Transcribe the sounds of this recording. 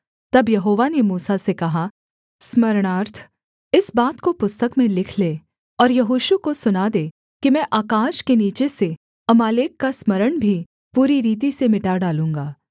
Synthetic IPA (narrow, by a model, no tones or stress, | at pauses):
t̪ɐbjɐɦoːʋanemuːsasekɐɦa | smɐɾɽ̃aːɾt̪ʰ | ɪsbaːt̪kopʊst̪əkmẽlɪkʰleː | ɔːɾjɐɦoːʃukosʊnad̪eː | kimɛ̃ːʔaːkaːʃkeniːt͡ʃese | ɐmaːleːkːasmɐɾəɽ̃bʱi | puːɾiɾiːt̪̬isemɪʈaɖaːlũːŋɡaː